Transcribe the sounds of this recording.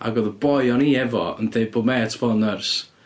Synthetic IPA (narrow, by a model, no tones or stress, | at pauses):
a̰ɡɔðəbɔjɔniɛvɔ̰əndejbomɛtʰb̥ɔnərs